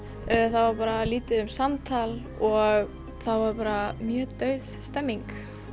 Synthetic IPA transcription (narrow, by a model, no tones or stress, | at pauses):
θawvaɾpaːɾaliːt̪ɪʏmsamt̪ʰal | ɔɣ | θawvaɾpaːɾamjœːt̪œɥðst̪ɛmːiŋk